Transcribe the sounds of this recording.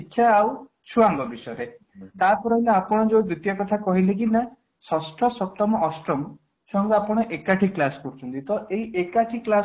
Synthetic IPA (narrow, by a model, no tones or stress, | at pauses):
ikʰjaːw | t͡ʃʰuaŋɡɔbisɔeɾe | t̪apɔɾɔleapɔɽ̃ɔd͡ʒowb̪ɾut̪jɔkɔt̪ʰakɔɦilek̬ina | sɔsʈʰɔsɔp̚t̪ɔmɔʔːsʈɾɔm | sʰɔŋɡɔapɔɽ̃ɔʔekaʈʰiklasɔ̥pɔɾt͡ʃʰɔnt̪it̪ɔʔeɦiʔekaʈʰiklas